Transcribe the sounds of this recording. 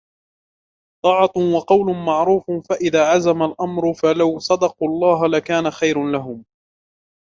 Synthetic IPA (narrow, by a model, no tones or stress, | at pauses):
t̪ˤɑːʕɑt̪wɑqɑwlʊmɑʕɾuːffaʔɪðaːʕazamalʔamɾʊfalawsˤɑd̪ɑquːʔɑlˤːɑːɦalakaːnaxajɾanlaɦʊm